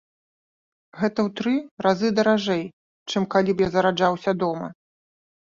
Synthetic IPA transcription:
ɣɛt̪ɐwt̪ɾɨɾazɨd̪ɐɾaʐɛj | t͡ʂɨmkalʲipjazɐɾad͡ʐawsʲɐd̪ɔmɐ̰

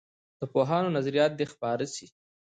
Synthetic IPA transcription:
d̪̥əpoɦɑnonazaɾijɑt̪̚d̪expɑːɾəsi

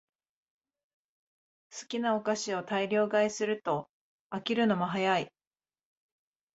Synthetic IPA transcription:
sɨ̥kʲinao̞kaɕio̞t̪aiɾʲo̞ːɡaisɨɾɯ̟t̪o̞ | akʲiɾɯ̟no̞moɦajai

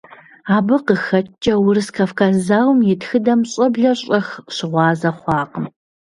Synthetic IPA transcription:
aːbɨqəxɐt͡ʃʼɐwʊɾɨskʰafkʰazaːwmjɪtxɨdɐmɕʼɐbɮɐɕʼɐxɕɪʁʷɑːzɐχʷɑːqəm

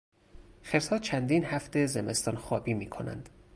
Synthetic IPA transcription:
xeɾsɒːt͡ʃʰænd̪iːnhæft̪ezeme̞st̪ɒːnχɒːbiːmiːkʰo̞nʔæ̰nd̪̥

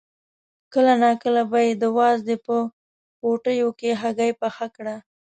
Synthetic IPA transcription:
kəlanakəlabajed̪əwɑzd̪epə | poʈəjokeɦaɡajpaxakɽa

